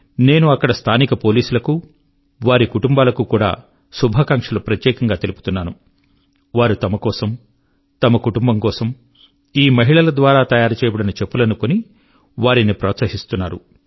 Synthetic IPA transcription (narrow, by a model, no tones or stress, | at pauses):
ne̞ːnuɐkːɐɽɐst̪ʰaːnikɐpo̞ːliːsulɐku | ʋaːɾikuʈumbaːlɐkukuːɽa̰ː | subʱɐkɐŋkʂɐlupɾɐt̪jɛːkɐŋɡaːt̪elupu̥t̪unːaːnu | ʋaːɾut̪ɐmɐkɔːsɐm | t̪ɐmɐkuʈumbɐŋkɔːsɐm | iːmɐɦiɭɐlɐd̪ʋaːɾaːt̪ɐjaːɾɐt͡ʃɛːbuɽɐnit͡ʃepːulɐnukoni | ʋaːɾinipɾɐːt̪sɐɦist̪unːaːɾṵ